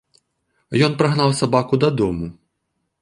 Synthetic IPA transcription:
jɔnpɾaɣnawsabakud̪ɐd̪ɔmu

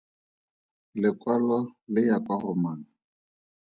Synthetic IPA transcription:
lɪkʼwalɔlɪjakʼwaχʊmaːna

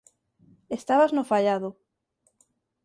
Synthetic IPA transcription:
est̪aβaznofaʎaðo

